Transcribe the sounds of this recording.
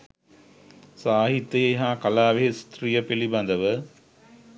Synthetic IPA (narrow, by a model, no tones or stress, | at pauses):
saːɦit̪ːɐjeɦaːkɐlaːʋeɦest̪rijəpelibɐnd̪əʋə